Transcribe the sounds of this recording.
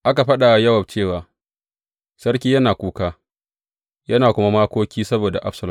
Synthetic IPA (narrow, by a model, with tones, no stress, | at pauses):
ʔa˦ka˨ɸɐ˦ɗa˨jɐ˦wɐ˨b̚t͡ʃeː˦˨waː˨ | sɐ˦rk̬ʲiː˦jɐ˦naː˨kʷuː˦kaː˦ | jɐ˦naː˨kʷʊ˦ma˦maː˦kʷoː˦kʲiː˦sɐ˦boː˨da˨ʔa˦ɸsɐ˨lʊ˨˦